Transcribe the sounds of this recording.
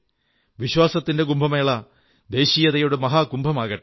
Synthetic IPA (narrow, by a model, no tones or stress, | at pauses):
ʋiɕwaːsɐt̪ːinde̞ɡumbʱɐmeːɭɐ | d̪e̞ːɕiːjɐðɐjoɽemɐɦaːɡumbʱɐmaːɣɐʈː